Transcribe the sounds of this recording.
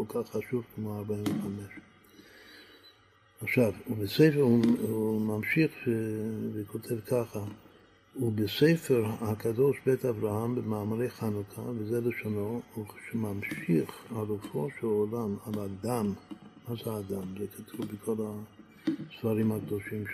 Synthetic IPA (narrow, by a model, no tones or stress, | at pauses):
kolkʰaχːaʃuvkmoaɾbaiɱveχameʃ | aχʃavubesefuumamʃiχʃevekʰot̪ʰevkʰaχa | ubesejfeɾhakad̪o̞ʃbet̪avɾahambemaːmaɾejχanukʰavezeleʃono̞uʃemamʃiχalufoʃelolamalad̪amːazeaːd̪amzekʰat̪ʰubekʰo̞la | sfaɾimhak̚d̪o̞ʃimʃ